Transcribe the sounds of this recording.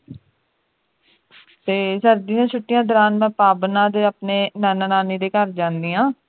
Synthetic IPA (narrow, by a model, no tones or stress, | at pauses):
t̪eːsəɾd̪iːjãːt͡ʃʰʊʈːɪjãːd̪əɾaːnmɛ̃ːpaːbnãːd̪eːaːpneːnaːnãːnaːniːd̪eːkəɾd͡ʒãːnd̪iːãː